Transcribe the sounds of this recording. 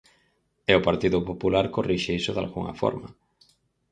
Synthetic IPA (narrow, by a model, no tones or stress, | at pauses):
eopaɾt̪iðʊpopulaɾkoriʃeisoða̰lɣuŋɐ̰fɔ̰ɾma̰